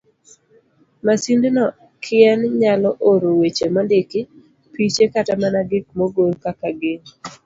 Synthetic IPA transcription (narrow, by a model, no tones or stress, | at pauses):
masindɪnɔ | kʰɪɛnɲalɔʔoɾowet͡ʃemandɪkɪ | pit͡ʃekatamanaɡɪk̚moɡolkakaɡɪŋ